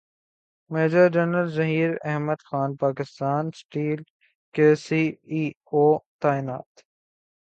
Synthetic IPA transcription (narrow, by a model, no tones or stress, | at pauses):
meːd͡ʒəɾd͡ʒənəlzɐɦiːɾɛ̰ɦməd̪xaːnpaːkɪst̪aːnsʈiːl | keːsiiː | oːt̪aːɪna̰ːt̪